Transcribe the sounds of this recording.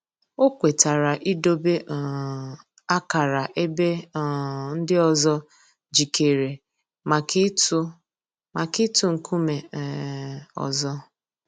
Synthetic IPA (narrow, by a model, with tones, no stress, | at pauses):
o˦kʷe˨ta˨ɾa˨ʔi˦do˦be˦ʔ | a˦ka˨ɾa˨ʔe˦be˦˨ | n̩˦dɪ˦ɔ˨zɔ˦ | d͡ʒi˨ke˨ɾe˨ | ma˨k | ma˨ki˦tu˦ŋ̩˨kʰu˦me˨ | ɔ̰˨zɔ˦